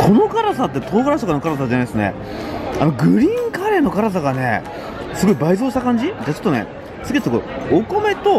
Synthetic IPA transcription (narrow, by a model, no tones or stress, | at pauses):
kʰo̞no̞kaɾasat̪ːe̞t̪oːɡaɾaɕakanokaɾasad͡ʑenaisɨne̞̰ | a̰no̞ɡɯ̟ɾʲĩŋkaɾe̞ːno̞kaɾasaɡane̞̰ | sɨɡo̞ibaizoːɕi̥t̪akãɲ̟d͡ʑid̪et͡ɕo̥t̪ːone̞̰ | t͡sɨket̪ekooko̞me̞t̪o̞